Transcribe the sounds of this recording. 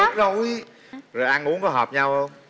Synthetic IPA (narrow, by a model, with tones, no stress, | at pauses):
zo˨˩wwi˧ | zo˨˩jʔa˧nʔu˧˦˥ŋkɔ˨˦ɦɔː˨˩p̚ɲa˧wʔə˧wŋ͡m